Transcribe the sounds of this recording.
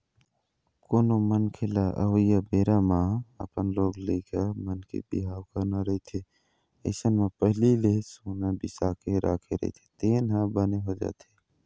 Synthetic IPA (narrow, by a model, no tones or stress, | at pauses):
koːnomənkʰelaʔə̰ʋəjabeːɾamãə̰pənloːɡlekəmənkḛbḭɦaːwkəɾnaɾəɦit̪ʰe | ə̰ɪsənmẽpəɦlilesonabisakeɾʔa̰ːkʰeɾə̰ɦḭt̪ʰe̥t̪eːnɦãbəneɦod͡ʒa̰ːt̪ʰe